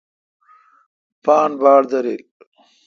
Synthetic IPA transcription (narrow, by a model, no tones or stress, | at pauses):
paːnbaːɽd̪ɐɾil